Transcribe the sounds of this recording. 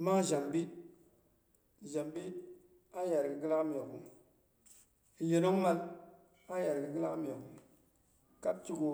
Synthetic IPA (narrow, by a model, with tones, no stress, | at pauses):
maː˦ʒa˨mbi˦˨ | ʒa˨mbi˦ | a˦ja˨ɾɨ˨ɡɨ˨ɡɨ˦la˦ʔm˨ɛ˨ɡu˨ | jɛ˨no˦ŋ˦ma˦l | a˦ja˨ɾɨ˨ɡɨ˨˦ɡɨ˦la˦m˨ɛ˨ɡʊ˨ | ka˦b̚t͡ʃi˦ɡo˨˦